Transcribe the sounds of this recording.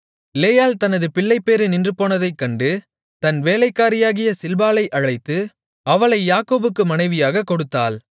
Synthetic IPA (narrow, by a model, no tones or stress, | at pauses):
ɪleːjaːlt̪ɐnɐðɯpɪɭːɐɪpːeːɾɯnɪndrɯpːoːnɐðɐɪkːɐɳɖɯ | t̪ɐnʋeːlɐɪkːaːɾɪjaːɣɪjɐsɪlbaːlɐɪʔɐɻɐɪt̪ːɯ | ɐʋɐɭɐɪjaːkoːbɯkːɯmɐnɐɪʋɪjaːɣɐkːɔɽɯt̪ːa̰ːl